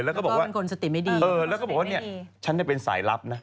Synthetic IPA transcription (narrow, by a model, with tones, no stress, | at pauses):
lɛː˦˥kɔː˥˩bɔ˨˥˩kwa˧nkʰo˧nsa˧t̪i˨˩ma˥˩jdiː˧ʔɤː˧lɛː˦˥kɔː˥˩bɔː˨˩waː˥˧˩ni˥˩ə˩t͡ɕʰa˦˥nːaː˥˩pe˧nsa̰ː˩˦jla˦˥p̚na˦˥